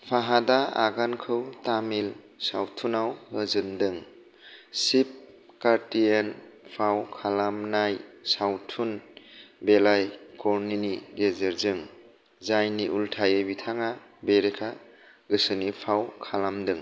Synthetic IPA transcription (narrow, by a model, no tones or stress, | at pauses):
pʰaɦadaaɡankʰɯwtamil | sawtʰunawhɯzɯndɯŋ | sip̚ | kaɾtienpʰawkʰalamnajsawtʰunbelajkɔɾniniɡezeɾzɯŋ | zajniʔultʰajebitʰaŋa | beɾekʰa | ɡɯsɯnipʰawkʰalamdɯŋ